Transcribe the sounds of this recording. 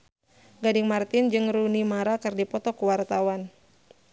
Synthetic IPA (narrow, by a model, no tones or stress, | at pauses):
ɡadɪŋmart̪ɪnd͡ʒɨŋrunimaɾakɨrdipɔt̪ɔkuwart̪awan